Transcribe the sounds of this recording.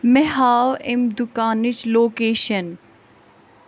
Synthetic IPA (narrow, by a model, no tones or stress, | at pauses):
meɦaːwemd̪ʊkaːnɪt͡ʃloːkeːʃɐn